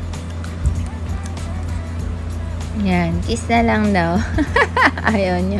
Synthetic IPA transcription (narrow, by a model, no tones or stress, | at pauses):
jankɪsalaŋd̪aw | ʔajɐwɲo